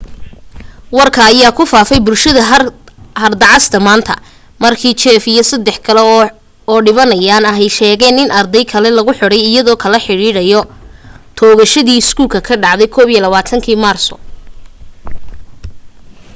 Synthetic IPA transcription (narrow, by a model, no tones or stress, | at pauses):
wɑrkʰɐːjaːkʰʊfaːfɛjbʊlʃɐðɐ | hɐrd̪ɑʕɑst̪ʰɐmaːnt̪ʰɐ̰ | mɐrkʰiːt͡ʃɛːfijɔsɐd̪ɛħkʰɐlɛ | ɔːɖɪβɐnɐjaːnɐɦɛjʃɛːɣɛːnɪnʔɐrd̪ɛjkʰɐlɛlɐɣʊħɔɽɛjɪjɐðɔːkʰɐlɐħɪɽiːɽɐjɔ | t̪ʰɔːɣɐʃɐðiːɪskʰuːlkʰɐkʰɐɖɑʕðɛjkʰɔːβijɛlɐβaːt̪ʰɐŋkʰiːmaːrsɔ̰